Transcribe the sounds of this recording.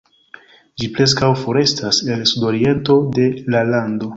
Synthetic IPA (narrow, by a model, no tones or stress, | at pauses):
d͡ʒipɾe̞s̬kawfo̞ɾe̞stase̞lsudo̞ɾie̞nto̞de̞lalando̞